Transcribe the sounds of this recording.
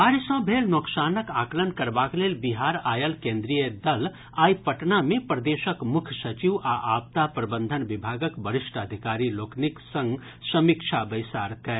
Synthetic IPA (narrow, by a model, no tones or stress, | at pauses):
aːɾsɔ̃ːbʱeːlnoksaːnəkaːklənkɐɾbaːkleːlbiɦaːɾaːjəlkẽːnd̪ɾijəd̪ɐl | aːjpɐʈnamẽpɾɐd̪eːʃəkmʊkʰsɐt͡ʃiʋaʔaːpt̪apɾɐbə̃nd̪ʱənʋɪbʱaːɡəkbɐɾɪʃʈəd̪ʱɪkaːɾiloːkʰnɪksə̃ŋɡ | sɐmikʃʰabɐɪsaːɾkɛ